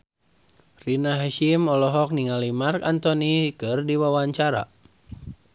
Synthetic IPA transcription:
rinaɦaʃimɔlɔɦɔk̚niŋalimarkant̪ɔnikɨrdiwawaɲt͡ʃaɾa̰

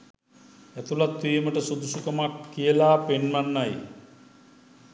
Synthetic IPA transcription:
æt̪ulat̪ʋieməʈəsud̪usukəmakːijəlaːpenmanːaj

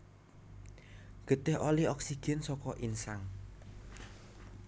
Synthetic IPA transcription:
ɡ̥ə̤t̪ɪɦoliɔksiɡ̥ɛnsɔkɔʔinsaŋ

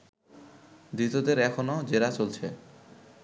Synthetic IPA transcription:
d̪ɾit̪od̪eɾɛkʰonod͡ʑeɾat͡ɕolt͡ɕʰe

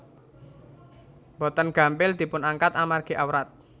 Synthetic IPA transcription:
bɔt̪ənɡ̥a̤mpɪld̪̥i̤pʊnaŋkat̪amarɡ̥e̤ʔawɾat̪̚

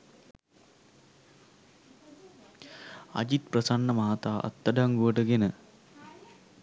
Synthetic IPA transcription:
ɐ̰d͡ʒit̪̚prəsanːəmaɦat̪aːʔa̰t̪ːəɖaŋɡuʋəʈəɡenə

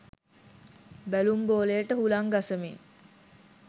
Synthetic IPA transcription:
bælumboːlejəʈəhulaŋɡasəmiŋ

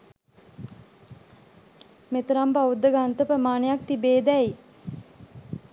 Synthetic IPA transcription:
met̪əɾampaud̪ːəɡant̪əpɾəmaːnəjak̚t̪ibeːd̪ɛi

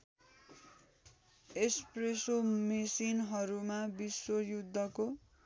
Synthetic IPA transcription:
espresomesinɦʌɾumabiswojud̪ʱːʌko

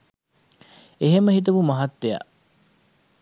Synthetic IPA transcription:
eɦemːəɦit̪̬ɐbumɐɦɐt̪ːeja̰

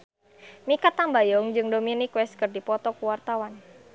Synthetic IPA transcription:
mikat̪ambajɔŋd͡ʒɨŋdominikwɛs̚kɨrdipɔt̪ɔkuwart̪awan

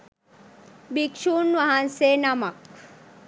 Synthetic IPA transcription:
bikʂuːnʋɐɦansenamɐk

